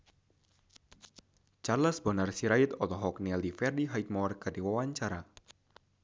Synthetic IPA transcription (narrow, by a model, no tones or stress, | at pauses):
t͡ʃarlasbɔnarsiɾait̪ɔlɔɦɔk̚nɛldifɛrdiɦajt̪̚mɔrkardiwawaɲt͡ʃaɾa